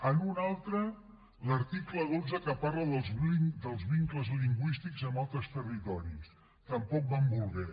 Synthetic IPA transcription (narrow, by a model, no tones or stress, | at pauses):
ənunalˠt̪ɾə | ləɾt̪ikləonzəkəpaɾləðəlˠd̪əlˠzβiŋkləzliŋɡwist̪ikzəmalˠt̪ɾəst̪ərit̪ɔɾis | t̪əmpɔk̚bambulˠɣɛ